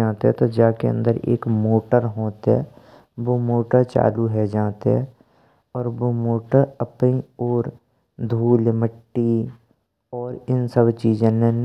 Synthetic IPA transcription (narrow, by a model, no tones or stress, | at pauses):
ãːt̪eɦɛ̃t̪od͡ʒaːkḛə̰̃nd̪əɾḛːkmoːʈəɾɦoːt̪eɦɛ̰ | ʋomoːʈəɾt͡ʃa̰ːluɦɛd͡ʒãːt̪eɦɛ̰ | ɔːɾʋomoːʈəɾəpnioːɾ | d̪ʱuːlməʈːi | ɔːɾɪnsəbt͡ʃiːd͡ʒẽnẽn